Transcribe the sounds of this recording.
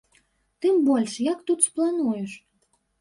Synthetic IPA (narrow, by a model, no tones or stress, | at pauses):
t̪ɨmbɔlʲʂjakt̪ut̪splˠanujɛʂ